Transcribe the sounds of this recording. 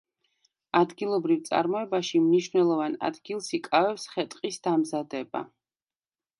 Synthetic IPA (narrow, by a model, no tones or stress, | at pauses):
ad̪ɡilˠɔbɾivt̪sʼa̰ɾmɔɛbaʃimniʃnɛlˠɔvana̰d̪ɡilˠsikʼavɛpsχɛt̪ʼqʼisd̪̥amzad̪ɛba̰